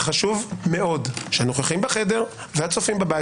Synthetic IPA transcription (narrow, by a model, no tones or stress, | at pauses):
χaʃuvme̞o̞dʃeanoχeχimbeχe̞de̞ʁ | vehat͡sofimbeba